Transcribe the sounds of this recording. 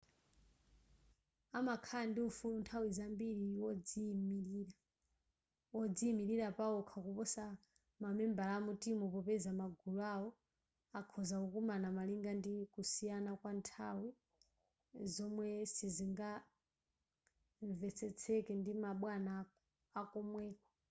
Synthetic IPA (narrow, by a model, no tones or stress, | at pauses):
amakʰandiufuluntʰawizambiɺiwɔd͡zimiɾiːɾa | wɔd͡ziimiɾiɾapaɔkʰakupɔsa | mamɛmbalamutimɔpɔpɛzamaɡuluaɔ | akʰɔzakukumanamaliŋɡandikusijanakwantʰawi | zɔmwɛsiziŋɡa | ɱvɛt͡sʰɛt͡sʰɛkɛndimaɓwana | akɔmwɛːkɔ